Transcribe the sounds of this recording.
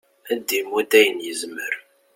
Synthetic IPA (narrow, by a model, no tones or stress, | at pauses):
æd̪ːimud̪æjənjəzməɾ